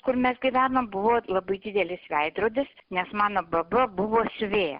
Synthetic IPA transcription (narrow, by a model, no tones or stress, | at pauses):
kʊɾmʲɛsɡʲɪʋʲæːnombʊʋoːlˠɐbɐɪd̪ʲɪd̪ʲɛlʲɪsʋʲɛɪd̪ɾoːd̪ʲɪsnʲɛsmɑːnoːbɐbɐbʊʋoːsʲʊʋʲeːjɛ̰